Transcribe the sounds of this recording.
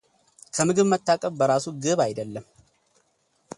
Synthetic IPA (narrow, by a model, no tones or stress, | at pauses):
kʰəmɨɡɨβmət̪ʰːakʼəβbəɾasuɡɨβajd̪əlːəm